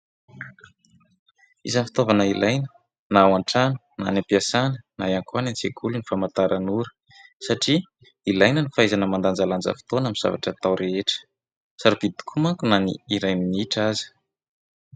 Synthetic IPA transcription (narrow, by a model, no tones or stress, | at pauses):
ḭzanfi̥t̪ovanəilʔajnə | nawaɳʈ͡ʂanə̥na̰napiasanəna̰jaŋkanant͡sekʰulunifamat̪aɾʔanuɾə̥ | saʈ͡ʂi | ilajnənifajzanəmand̪and͡zaland͡zə̰fi̥t̪onamiz̥a̰va̰ʈ͡ʂat̪awɾeeʈ͡ʂə̥ | saɾibid̪u̥kʰumaŋkunanḭiɾajminiʈ͡ʂazi̥